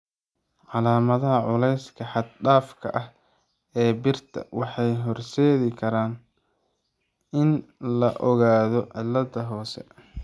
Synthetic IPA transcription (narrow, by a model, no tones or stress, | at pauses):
ʕɑlaːmɐðɐɦɐʕʊlɛjskʰɐħɑd̪̚ɖaːfkʰɐ̰ʔɐh | ɛːbɪrt̪ʰɐ̰wɑħɑjɦɔrsɛːɣɪkʰɐɾaːn | ɪnlɐʔɔɣaːðɔʕɪlːɐðɐɦɔːsɛ̰